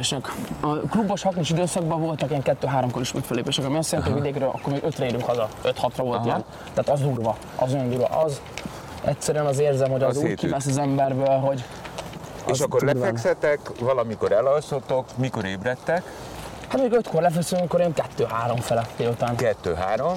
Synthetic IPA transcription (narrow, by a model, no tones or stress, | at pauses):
ʃɛkɒklubːoʃhɒknuʃid̪øːsɒɡbɒvo̞lt̪ɒkiɛŋkɛt̪ːøːɦaːɾomkoɾiʃmɛkfɛlːeːpeːʃɛkɒmiɒst̪jɛɾɛnt̪iɒvid̪eːkrøːlʔɒ̰kːormiːɡøt̪rɛeːɾyŋkhɒzɒøt̪hɒt̪rɒvo̞lt̪jɛn | t̪ɛaːt̪ɒzd̪uːrvɒ | ɒ̰zojnd̪uːɾvɒ̰ʔɒz | ɛ̰csɛɾyɛnɒzeːrzɛmhoɟɒzuːkivɛsɒzɛmbɛrbøːlɦo̞ɟ | eːʃɒkːorlɛfɛkssɛt̪ɛkvɒlɒmiko̞ɾɛlɒlsot̪ːokmiko̞ɾeːbɾɛt̪ːɛk | hat̪meːɡøt̪ko̞rlɛfɛksykːoɾeŋkɛt̪ːøːɦaːɾo̞ɱfɛlɛt̪ːeut̪aːnkɛt̪ːøːɦaːɾo̞m